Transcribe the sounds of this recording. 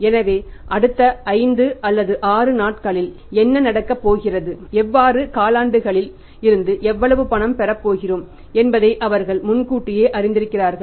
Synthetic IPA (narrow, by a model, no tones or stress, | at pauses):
ɛnɐʋeːʔɐɽɯt̪ːɐɐɪnd̪ɯʔɐlːɐðɯʔaːrɯnaːʈ̚kɐɭɪl | ɛnːɐnɐɽɐkːɐpːoːɣɪrɐðɯɛʋːaːrɯkaːlaːɳɖɯɣɐɭɪl | ɪɾɯnd̪ɯʔɛʋːɐɭɐʋɯpɐɳɐmpɛɾɐpːoːɣɪroːm | ɛnbɐðɐɪʔɐʋɐɾɣɐɭmʊnkuːʈːɪjeːʔɐrɪnd̪ɪɾɯkːɪraːɾɣɐɭ